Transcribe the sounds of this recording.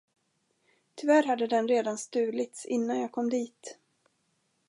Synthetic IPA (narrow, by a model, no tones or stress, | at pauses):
t̪ʰʏvæɾɦad̪ːəd̪ɛnɾeːd̪anst̪ʉ̟ːlɪt̪sɪnːanjaːkʰɔmd̪iːt̪